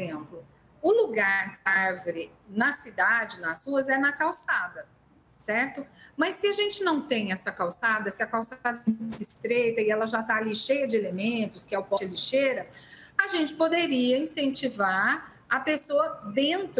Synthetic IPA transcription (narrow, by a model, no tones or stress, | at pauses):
ẽmplʊ | ʊluɡaɾkɪavɾɪ | nɐsid̪ad͡ʒɪnɐsːuɐzɛnɐkawsad̪ɐ | sɛɾt̪ʊmɐsːɪɐʒẽnt͡ʃɪnɐ̃w̃t̪ẽj̃ɛsɐkawsad̪ɐsɪɐkawsaad̪ɐ̃sɪst̪ɾejt̪ɐɪɛlɐʒat̪aːliʃejɐd͡ʒɪelemẽnt̪ʊskɪɛʊpɔt͡ʃliʃeɾɐ | ɐʒẽnt͡ʃɪ̥pod̪eɾiɐĩsẽnt͡ʃivaɾ | ɐpesoɐd̪ẽnt̪ɾ